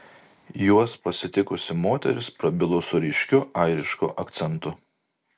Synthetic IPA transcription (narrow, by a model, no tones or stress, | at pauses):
juɔspɐsʲɪt̪ʲɪkʊsʲɪmoːt̪ʲɛ̰ɾʲɪspɾɐbʲɪlˠʊsʊɾʲɪʃʲkʲʊɐɪɾʲɪʃkʊʔɐkt̪sʲɛnˑt̪ʊ